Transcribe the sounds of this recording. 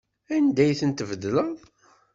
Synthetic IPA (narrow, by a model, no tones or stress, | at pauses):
ænd̪æjθənt̪əvd̪ləðˤ